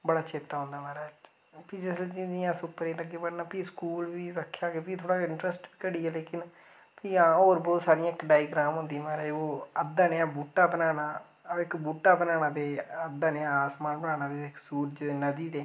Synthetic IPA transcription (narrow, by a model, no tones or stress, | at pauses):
bəɽaːt͡ʃʰeːt̪ːaːɦõːnd̪aːmaːɾaːd͡ʒ | piːd͡ʒɪsled͡ʒĩd͡ʒiːãːsʊpːəɾeːləɡːeːpəɽnaːpiːskuːlʋiːɾəkʰːjaːɡeːpit̪ʰoːɽaːɪɳʈɾəsʈbiːkəɽiːɛːleːkɪn | piːãːoːɾbɔːt̪saːɾɪãːɪkɖaːjɡɾaːmɦʊ̃nd̪ĩmaːɾaːoːəd̪aːneːãːbuːʈːaːbənaːnaː | ɪkbuːʈːaːbənaːñãːd̪eːəd̪ːaːneːãaːsmaːnbənaːnãːd̪eːɪksuːɾd͡ʒeːnəd̪iːd̪eː